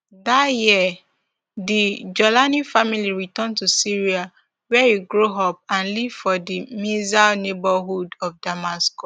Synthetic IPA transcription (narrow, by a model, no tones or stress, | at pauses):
ðatjiɛ | did͡ʒɔlanifamiliɹitɔ̃ntusiɹia | wɛjuɡɹoɦɔp̚ãnliv̥fɔdimizalnebaɦudɔfdamasko